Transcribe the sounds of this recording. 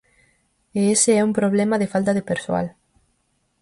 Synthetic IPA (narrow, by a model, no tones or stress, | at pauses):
eesɪɛumpɾoβ̞lɛmɐðefalt̪ɐðepeɾsoa̰l